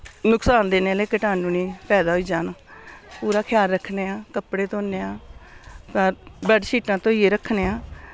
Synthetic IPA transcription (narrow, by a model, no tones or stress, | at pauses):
nʊksaːnd̪eːneːleːkəʈaːnuːniːpɛːd̪aːɦoiːd͡ʒaːnaːpuːɾaːkʰɪjaːɾːəkʰːneːãːkəpɽeːt̪õːneːãː | kəɾbəɖʃʰiːʈãːt̪õːiːeːɾəkʰːneːaː